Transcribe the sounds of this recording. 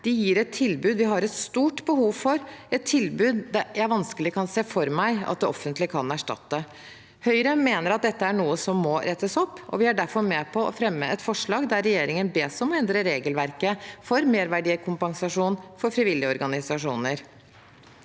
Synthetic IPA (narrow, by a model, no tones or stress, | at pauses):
d̪̥ɛjiːɾɛt̪ʰːɪlbʉːd̪ʋɪɦɑɾɛt̪st̪uːʈbəhuːʋfɔɾɛt̪ʰːɪlbʉːd̪d̪æjæɪʋɑnskəlɪkʰɑnseːfɔɾmæɪɑ̰t̪̚d̪ɛʔɔfːənt̪lɪkʰɑnæʂʈɑ̰t̪ːə | hœʏɾəmeːnəɾɑt̪̚d̪ɛt̪ːəæɳuːəsɔmːɔɾʔɛt̪ːəsɔpːʔɔ̰ʋɪæɖæɾfɔɾmɛpʰɔɔ̰fɾɛmːəʔɛt̪fɔʂɭɑːɡd̪æɾɛjeːɾɪŋənbeːsɔmɔɛnd̪ɾəɾeːɡəlʋæɾkəfɔɾmeːɾʋæɖiːkʰʊmpɑŋsɑʂuːnfɔɾfɾɪʋɪljəɔɾɡɑnɪsɑʂuːnəɾ